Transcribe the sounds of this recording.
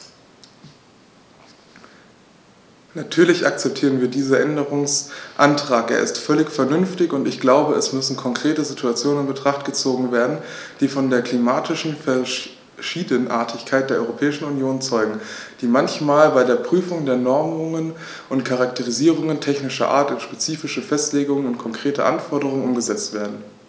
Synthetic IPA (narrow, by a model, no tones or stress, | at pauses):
natʰyːɐlɪçʔak̚t͡sɛp̚tʰiːʁ̞ənviːɐdiːzɐʔɛndəʁʊŋsʔantʁ̥aːkḛːɐɪ̰stfœlɪçfɛɐnʏnftɪçʊntɪçɡ̥laʊbəɛsmʏsn̩kʰɔŋkʁ̥eːtəzituat͡sjoːnənɪnbətʁ̥aχtɡ̥ət͡soːɡŋ̩veːɐdn̩ | d̥iːfɔndeːɐkl̥imaːtʰɪʃn̩fɛɐ | ʃiːdənʔa̰ːɐtʰɪçkʰaɪt̚d̥eɐɔʏʁopʰɛːɪʃn̩ʊnjoːnt͡sɔʏɡŋ̩d̥iːmançmaːlbaɪdeːɐpʁ̥yːfʊŋdeːɐnɔɐmʊŋən | ʔʊntkʰaʁak̚tʰəʁ̞iziːʁ̞ʊŋəntʰɛçnɪʃɐ̰ʔa̰ɐtʊnʃpet͡siːfɪʃəfɛstleːɡʊŋənʊntkʰɔŋkʁ̥eːtə̰ʔa̰nfɔɐɾəʁ̞ʊŋənʔʊmɡəzɛt͡stv̥eːɐdn̩